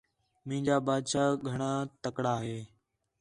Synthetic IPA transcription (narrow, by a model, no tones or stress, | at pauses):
mĩːd͡ʒaːbaːd̪ʃaːɡʱəɳ̃aːt̪əkɽaːɦeː